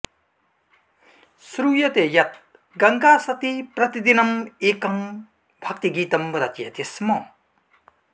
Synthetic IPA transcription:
sɾujɐt̪ejɐt̪̚ | ɡɐŋɡasɐt̪ipɾɐt̪id̪inɐmeːkɐm | bʱɐk̚t̪iɡiːt̪ɐmbɐɾɐt̪jɐt̪esmʌ

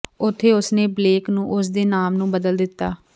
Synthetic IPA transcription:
ʊt̪ʰːeːʊsneːbleːknũːʔʊsd̪eːnaːmnũːbəd̪əld̪ɪt̪ːaː

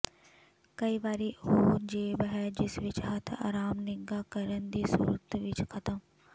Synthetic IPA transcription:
kɐibaːɾiɦoːd͡ʒeːbɦɛd͡ʒɪsʋɪt͡ʃɦət̪ʰa̰ːɾaːmnɪŋɡakɐɾənd̪iːsṵːɾət̪ʰʋɪt͡ʃkʰɐt̪ə̃

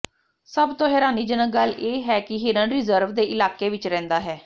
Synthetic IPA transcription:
səbt̪õːɦɛːɾaːniːd͡ʒənək̚ɡəleːɦɛːkɪɦɪɾənɾɪzəɾʋd̪eːʔɪlaːkeːʋɪt͡ʃɾɛ̃ːnd̪aːɦɛː

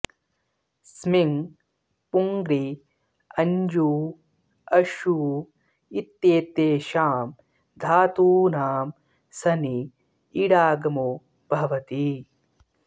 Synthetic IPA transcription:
smiŋ | puŋɡɾi | ɐɲd͡ʒuː | ɐʃu | it̪jeːt̪eːʃaːm | d̪ʱaːt̪uːnaːm | sɐniː | ɽaːɡɐmu | b̥ʱɐʋɐt̪i

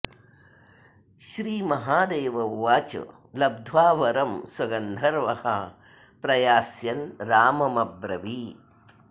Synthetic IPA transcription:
ʃɾiːmɐɦaːd̪eːʋɐʋːaːt͡ʃɐ̰ | lɐb̚d̪ʱʋaːʋɐɾɐmswɐɡɐnd̪ʱɐɾʋɐhɐ | pɾɐjaːsjɐnɾaːmɐmɐbɾɐʋiː

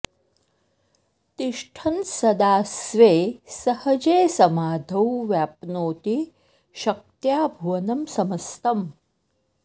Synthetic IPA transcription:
t̪iʂʈʰɐnsɐd̪aːsʋeːsɐhɐd͡ʒeːsɐmaːd̪ʱɐwʋjaːpnoːt̪i | ʃɐk̚t̪jaːbʱuʋɐnɐmsɐmɐst̪ɐm

